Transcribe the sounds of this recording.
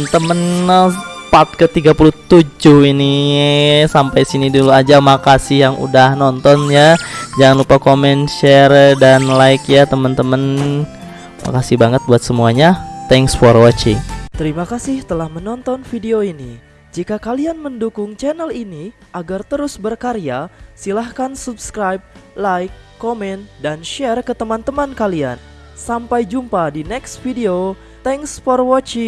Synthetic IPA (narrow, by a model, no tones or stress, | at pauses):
nt̪əmən | pat̪̚kət̪iɡapuluht̪ud͡ʒʊhini | sampajsiniduluad͡ʒamakasɪhjaŋṵdahnɔnt̪ɔnjad͡ʒaŋanlupakomɛnʃɛrdanlaɪkjat̪əmənt̪əmən | ma̰kasɪhbaŋət̪̚buat̪səmuaɲat̪ɛŋsfɔrwɔt͡ʃɪŋt̪əɾimakasɪht̪əlahmənɔnt̪ɔnfideoini | d͡ʒikakalianməndukʊŋt͡ʃɛnəlini | ʔaɡart̪əɾʊsbərkaɾiasilahkansubskɾajb̚lajkːɔmɛnt̪danʃɛrkət̪əmant̪əmankalia̰n | sampajd͡ʒumpadinɛksfideo | t̪ɛŋsfɔrwɔt͡ʃi